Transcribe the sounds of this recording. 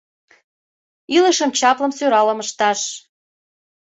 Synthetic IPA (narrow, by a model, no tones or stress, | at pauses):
ilə̆ʃəmt͡ɕɑplə̆msøɾɑləməʃt̪ɑʃ